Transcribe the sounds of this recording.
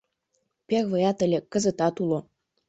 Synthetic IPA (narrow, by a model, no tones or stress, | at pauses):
pʲeɣvɤ̆jɑt̪ə̆lʲekkːə̆zə̆t̪ɑt̪ulˠo